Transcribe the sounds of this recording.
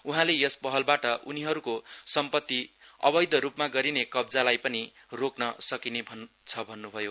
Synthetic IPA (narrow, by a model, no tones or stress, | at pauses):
uɦãlejʌspʌɦʌlbaʈʌʔuniɦʌɾukosʌmpʌt̪ːiʌ̰bʌjd̪ʌɾupmaɡʌɾinekʌbd͡zalajpʌni | roknʌsʌkinebʱʌn | t͡sʰʌbʱʌnːubʱʌjo